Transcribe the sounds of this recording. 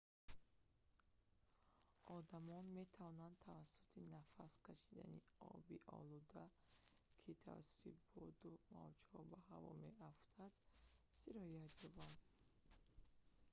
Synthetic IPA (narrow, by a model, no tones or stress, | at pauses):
ɔd̪amɔnme̞t̪ʰavɔnand̪̚t̪ʰavasːu̥t̪ʰinafaskʰaʃid̪a̰niɔ̰biʔɔ̰lud̪a | kʰit̪ʰa̰va̰sːu̥t̪ʰibɔd̪uma̰vd͡ʒhɔbahavɔ̰meaft̪ʰad̪̥siɾɔjat̪jɔband̪